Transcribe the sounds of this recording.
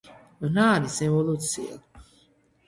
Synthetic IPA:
naːnisɛvolˠut̪sia̰

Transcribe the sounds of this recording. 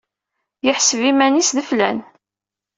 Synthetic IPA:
jəħsəvimænisðəflæn

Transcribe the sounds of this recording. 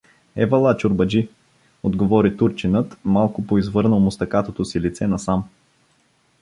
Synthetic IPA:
ɛvɐlˠat͡ʃʊɾbɐd͡ʒi | od̪ɡovɔɾit̪uɾt͡ʃinɤt̪malˠkʊpoizvɤɾnəlˠmʊst̪ɐkat̪ot̪osilit̪sɛnɐsam

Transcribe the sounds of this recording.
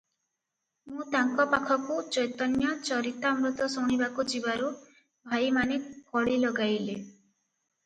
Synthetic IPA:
mũt̪aŋkɔpakʰɔkut͡ʃɔjt̪ɔnjat͡ʃɔɾit̪amɾut̪ɔsoɽ̃ibakud͡ʒibaɾu | bʱajmanekʰɔɭilɔɡajle

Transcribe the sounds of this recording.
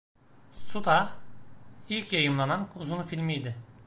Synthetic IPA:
sut̪ʰa | ilʲcjajɯmlˠananuzunfilʲmijd̪ɪ

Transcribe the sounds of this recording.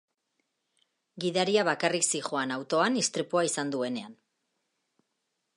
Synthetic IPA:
ɡiðaɾiaβ̞akariksiʝo̞anawt̪o̞anist̪ɾipuaisand̪ue̞ne̞an

